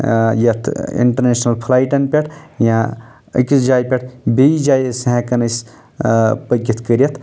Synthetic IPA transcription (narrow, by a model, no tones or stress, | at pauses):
jɐt̪ʰḭɳʈɐɾnesnɐlpʰlaːjʈɐnpʲeʈʰjã | ə̰kisd͡ʒaːjpʲɐʈʰbid͡ʒaːjsɦɛ̃kɐnɐs | pɐɡit̪ʰkəɾjɐt̪ʰ